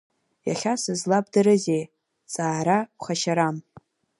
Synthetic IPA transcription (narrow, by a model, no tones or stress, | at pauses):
jaχʲasɨzlab̚dɨɾɨzej | t͡sʼaːɾaχaʃaɾam